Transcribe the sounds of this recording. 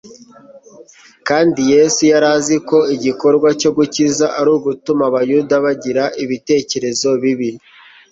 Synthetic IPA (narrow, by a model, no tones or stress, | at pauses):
kaːndije̞ːsujaɾaziko̞iɟiko̞ɾɡwaco̞ɡucizaʔaɾuːɡutumaβajudaβaɟiɾaiβite̞ːce̞ɾe̞zo̞βiβi